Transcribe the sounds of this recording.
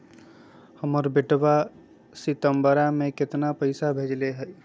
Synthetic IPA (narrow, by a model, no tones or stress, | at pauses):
həməɾbɪʈba | sit̪əmbəɾamẽkɪt̪napəɪsabʱeːd͡ʒleɦɛj